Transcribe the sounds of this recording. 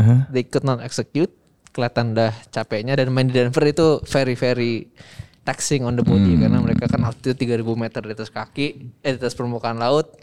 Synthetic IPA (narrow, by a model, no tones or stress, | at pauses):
d̪eikut̪̚nɔt̪ɛksəkjut̪̚ | kəliat̪andaht͡ʃapɛɲadanmandidanfərit̪ufeɾifeɾi | t̪ɛksɪŋɔndəbodikarnaməɾekakanlaʊt̪̚it̪ut̪iɡaɾibumet̪ərdet̪askakɪʔdet̪aspəɾmukaːnlaʊt̪̚